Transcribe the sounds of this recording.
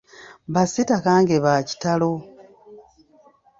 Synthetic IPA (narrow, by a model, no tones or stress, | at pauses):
βasitakaːŋɡeβaːci̥talo̞